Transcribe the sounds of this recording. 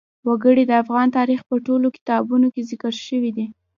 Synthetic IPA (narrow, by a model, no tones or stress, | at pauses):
waɡəɽid̪əafɣɑnt̪ɑɾixpəʈolokɪ̥t̪ɑbunokezɪkəɾʃəwid̪i